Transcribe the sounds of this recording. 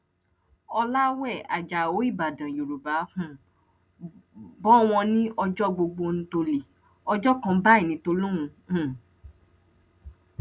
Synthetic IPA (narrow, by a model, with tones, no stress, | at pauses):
ɔ˧la˦wɛ˦˨a̰˨d͡ʒa˨o˨˦i˦˨ba˨dã˨jo˨ɾu˨ba˨˦fũ˦ | bɔ˦w̃ɔ̃˧nĩ˦ʔɔ˧d͡ʒɔ˦ɡ͡bo˧ɡ͡bo˧ñ̩˧˦to˧le˨ | ɔ˧d͡ʒɔ˦kã˧˦ba˦i˦˨nĩ˨˦to˧lũ˦ũ˧˦˨